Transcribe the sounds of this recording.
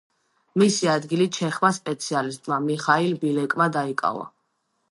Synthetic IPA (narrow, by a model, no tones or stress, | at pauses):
misiad̪ɡiliʃʰɛχmaspʼɛt̪sʰialist̪ʼmamiχailbilɛkʼmad̪aikʼa̰va̰